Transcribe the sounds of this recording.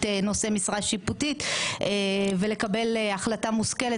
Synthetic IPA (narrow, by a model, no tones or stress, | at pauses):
eno̞se̞misʁaʃiputit̪evele̞kabe̞leaχlatamuske̞le